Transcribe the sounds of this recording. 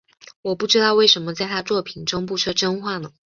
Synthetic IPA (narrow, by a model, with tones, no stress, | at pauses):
wɔ˨˩pu˥˩ʈ͡ʂɻ̩˥t̪ɑ˥˧ʊwe˥˩ɪʂə˧˥nmə˧t͡sa˥˩ɪt̪ʰa˥t͡swɔ˥˩pʰi˨˩nʈ͡ʂo˥ŋpu˥˧ʈ͡ʂʰɤ˥˩ʈ͡ʂə˥nxwa˥˩nə˩